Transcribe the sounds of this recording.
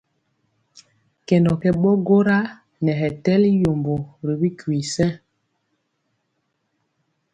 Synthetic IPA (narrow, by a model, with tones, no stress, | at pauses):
kɛ˨ndɔ˨kɛ˨ɓɔ˦ɡo˦ɾa˦ | nɛ˨ɦɛ˨tɛ˦li˦jo˨mbo˨ɾi˨bi˦kwi˨sɛ˦